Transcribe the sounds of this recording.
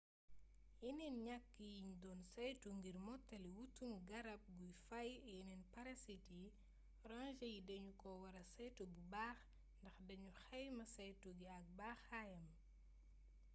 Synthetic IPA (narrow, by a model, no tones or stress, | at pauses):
jinɛnɲakːijiɲdɔːnsɛjtuŋɡirmɔtːɐliwutːumɡɐɾɐp̚ɡujfɐjɛnɛnpɐɾɐsiti | ranʒɐjidɐɲukɔwɐɾɐsɛjtobubaːx | ndɐxdɐɲuxɛjmɐsɛjtuɡiɐk̚baːxaːjɐm